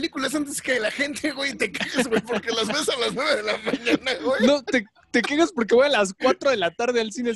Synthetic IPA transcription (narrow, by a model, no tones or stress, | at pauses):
likulas̬ant̪̬eskeðelaxe̞nt̪ʰeɣwejt̪ekeɣezɣwejpo̞ɾkelazβesalaznwe̞βe̞ðelamãɲanaɣejnno̞t̪e | t̪e̞keɣaspo̞ɾk̬eβo̞jalas̬kwat̪ɾo̞ðe̞lat̪aɾð̞e̞alsine